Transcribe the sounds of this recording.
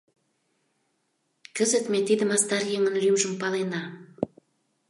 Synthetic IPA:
kə̆zɘ̆t̪met̪id̪ə̆mɑst̪ɑɾjeŋə̆nlymʒə̆mpɑlˠenɑ

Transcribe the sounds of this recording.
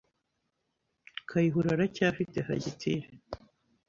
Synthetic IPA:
kʰajiɦuɾaɾacaːfiteha̰ɟitʰiɾe

